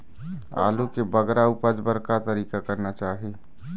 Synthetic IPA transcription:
a̰lukebəɡɾaupəd͡ʒbəɾkat̪əɾiːkakəɾnat͡ʃaːɦi

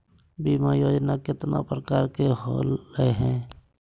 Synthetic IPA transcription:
biːmajoːd͡ʒnakɪt̪na̰pɾəkaːɾkeɦo̰ːlːəeɦɛ̃ː

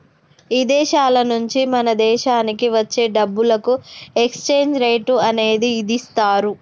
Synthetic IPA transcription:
iːd̪ɛːʃaːlɐnuɲt͡ʃimɐnɐd̪ɛːʃaːnikiʋɐt͡ʃːe̞ːɖɐbːulɐkuekst͡ʃe̞ːɲd͡ʒɾejʈuɐne̞ːd̪iːd̪ist̪aːɾu

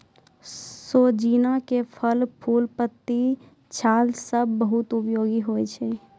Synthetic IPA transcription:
soːd͡ʒiːnakepʰəlpʰuːlpət̪ːi | t͡ʃʰaːlsəbːəɦʊt̪ʊpjoːɡiɦoːet͡ʃʰeː

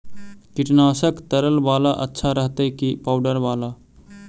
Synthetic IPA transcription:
kɪʈnaːsəkt̪əɾəlʋaːlaʔətːʃʰaɾəɦt̪ekipawɖəɾʋaːla

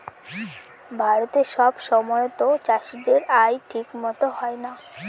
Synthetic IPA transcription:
bʱaɾot̪eʃɔbʃɔmɔjot̪ot͡ɕaʃiɖeɾajʈʰikmɔt̪oɦɔena

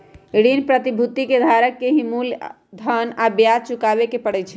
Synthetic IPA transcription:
iɽinpɾət̪ibʱut̪ːiked̪ʱaɾəkːeɦimul | d̪ʱənabjad̪̚t͡ʃukaβekepəɽɛt͡ʃʰɛ

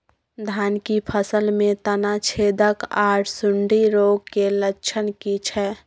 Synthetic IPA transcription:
d̪ʱaːnkipʰəsəlmẽt̪ənat͡ʃʰed̪əkaːʈʰsʊɳɖiɾoːɡ̚kelət͡ʃʰənkit͡ʃʰɛ

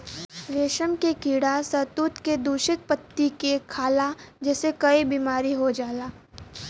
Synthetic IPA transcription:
ʋeːʃəmkekiːɽasɐt̪uːt̪ked̪uːʃɪt̪̚pət̪ːikekʰaːlad͡ʒɛːsekɐibiːmaːɾiɦod͡ʒaːlaː

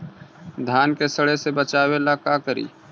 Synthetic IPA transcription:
d̪ʱaːnkesəɽesebət͡ʃaːwelakaːkəɾḭː

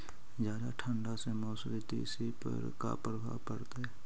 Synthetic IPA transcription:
d͡ʒjaːd̪aʈʰə̃ɳɖasemoːsɾit̪ḭsipə̰ɾka̰pɾəbʱa̰pəɾt̪e

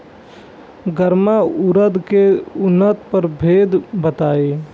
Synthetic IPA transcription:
ɡəɾmaʊɾəd̪keʊnːət̪pəɾbʱeːd̪bət̪aːe

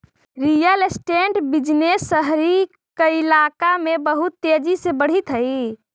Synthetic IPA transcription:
ɾijəlesʈeɳʈbid͡ʒnesːəɦɾi | kilakamebəɦut̪ːed͡ʒisebəɽ̤it̪ɦəɪ

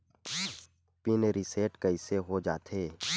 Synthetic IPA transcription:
pineɾiseːʈkəɪseɦod͡ʒa̰ːt̪ʰeː

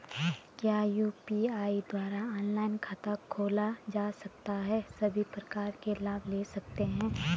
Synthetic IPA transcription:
kjaːjuːpiaːid̪waːɾaɔːnlaːɪnkʰaːt̪akʰːoːlad͡ʒaːsɐk̚t̪aɦɛsɐbʱipɾɐkaːɾkelaːbʱleːsɐk̚t̪eɦɛ̃ː

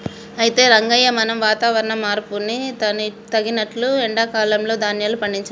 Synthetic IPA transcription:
ɐjit̪e̞ːɾɐŋɡɐjɐmɐnɐmʋaːt̪aːʋɐɾɐɳɐmːaːɾpuniɐt̪ɐɡinɐʈluɛɳɖaːkaːlɐmlo̞ːd̪ʱaːnjɐːlːupɐɳɖiɲt͡ʃaː

